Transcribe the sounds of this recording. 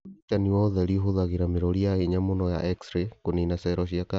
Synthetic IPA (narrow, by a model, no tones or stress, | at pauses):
itaniɔðɛɾiɦoðaɣeɾameɾɔɾiaheɲamonɔja̰ʔɛksɾekoninasɛɾɔʃ̬iaka